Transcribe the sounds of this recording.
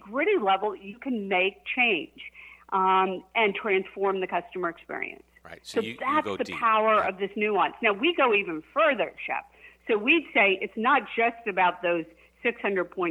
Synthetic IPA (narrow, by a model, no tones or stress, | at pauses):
ɡɹɪɾilɛvl̩ˠjɨkʰɨ̃nmeɪk̚t͡ʃʰẽɪ̃nd͡ʒ | ʔɨ̃ntʰɹ̥æ̃nsfɔɹmðɨkʰʌstəmə˞ɨkspɪ̰ɹḭɨ̰̃nssoʊðætsðɨpʰaʊə˞ʌvðɪsnʉɑ̃nsnaʊwiɡoʊivɨ̃nfɜ˞ðə̰˞ʃɛ̰p̚soʊwid̥seɪʔɨtsnət̚d̥ʒ̥ʌstɨbaʊt̪̚ðoʊz̥ | sɪkshʌ̃ndɹəd̚pʰɔ̃ɪ̃n